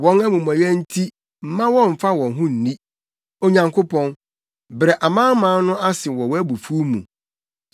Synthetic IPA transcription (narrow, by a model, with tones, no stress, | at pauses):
wɔ̃˨˦na˦mũ˨mɔ̃˨jɛ˦n̩˦tʰi˦ | m̩˨mã˦wɔ̃˦m̩˨fa˦wɔ̃˨nɦʊ̃˦n̩˨nĩ˦ | o˨ɲã˨ŋkʰo˦pɔ̃˦n | bɾɛ˨ʔa˨mãː˦mãː˨˦nʊ̃˦ʔa˦sɪ˨wɔ˨wæ˦bu˨fu˦mṵ̃˨